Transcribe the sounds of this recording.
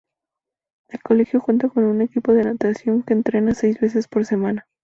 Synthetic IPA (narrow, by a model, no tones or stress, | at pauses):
e̞lko̞le̞xjo̞xwunt̪ako̞nune̞kipo̞ð̞e̞nat̪asjo̞ŋke̞ːnt̪ɾe̞nase̞jzβe̞s̬e̞spo̞ɾse̞mãna